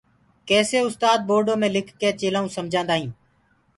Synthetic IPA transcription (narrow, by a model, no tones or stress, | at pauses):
kɛːseːʊst̪aːd̪̚boːɾɖõːmẽːlɪkʰːeːt͡ʃeːlaːũːsəmd͡ʒʱãːnd̪aːɦĩː